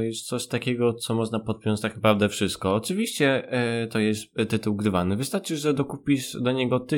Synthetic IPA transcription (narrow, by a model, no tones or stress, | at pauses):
jɛst̪t̪sɔɕt̪akʲɛɡɔt̪sɔmɔʐnapɔt̪̚pʲjɔnt͡ɕt̪aknapɾavd̪ɛfʂɘst̪̚kɔːt͡ʂɘvʲiɕt͡ɕɛt̪ɔjɛst̪ːɘt̪uwɡɾɘvanɘvɨst̪aɾt͡ʂɘʐɛd̪ɔkupʲiʂd̪ɔɲɛɡɔt̪ɘ